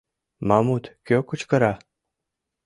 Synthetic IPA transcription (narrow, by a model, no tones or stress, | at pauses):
mamut̪kʲøkut͡ɕkəɾa